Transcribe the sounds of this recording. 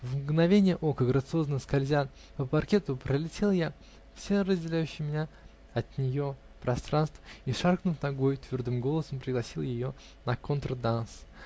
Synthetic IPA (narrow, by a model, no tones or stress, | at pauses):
vmɡnɐvʲenʲɪjəʔo̞kəɡɾət̪sɨo̞znəəskɐlʲzʲa | pəpɐrkʲe̞t̪ʊpɾəlʲɪtʲe̞lˠja | fsʲerəzʲdʲɪlʲæjʉɕːɪjmʲɪnʲa | ɐt̪nʲɪjo̞ | pɾɐst̪ɾanst̪vəiʂarknʊfnɐɡo̞jʊt̪vʲord̪ɨmɡo̞lˠəsəmpɾʲɪɡlˠɐsʲilˠjɪjo̞ | nəkont̪ɾəd̪ans